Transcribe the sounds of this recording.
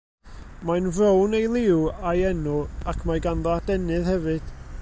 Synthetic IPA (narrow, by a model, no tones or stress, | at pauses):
majnvrownejlˠɪwajɛnʊakʰmaɡanðɔadɛnɨðhɛvɨd̥